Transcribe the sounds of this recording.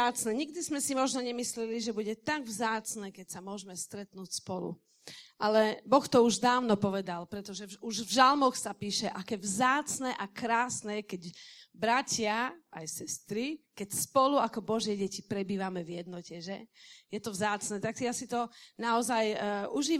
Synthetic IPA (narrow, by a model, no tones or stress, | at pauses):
aːt͡snɛɲiɡ̚d̪izmɛsimɔʒnɔɲɛmislɛliʒɛbuɟɛt̪aɡvzaːt͡snɛːkɛcsamʊɔʒmɛst̪ɾɛt̪nuːcspɔlṵ | ʔalɛbɔxt̪ɔuʒd̪aːʊnɔpɔʋɛd̪alpɾɛt̪ɔʒɛuʒvʒalmɔxsapiːʃɛʔakɛːvzaːt͡snɛʔakɾaːsnɛːkɛɟbɾacɪaajsɛst̪ɾikɛcspɔluakɔbɔʒɪɛɟɛcipɾɛbiːʋamɛvjɛd̪nɔcɛʒɛjɛt̪ɔvzaːt͡snɛːt̪akt̪ijasit̪ɔnaɔzajuʒiː